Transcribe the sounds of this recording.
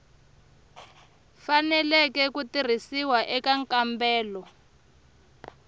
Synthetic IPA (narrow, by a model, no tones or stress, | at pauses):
fanɛlɛkɛkutir̤isiwaʔɛkaŋkʼambɛːlɔ